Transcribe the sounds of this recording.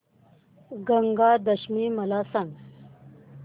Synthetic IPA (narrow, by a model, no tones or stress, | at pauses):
ɡɐŋɡaːd̪ɐɕmimɐlaːsaŋɡ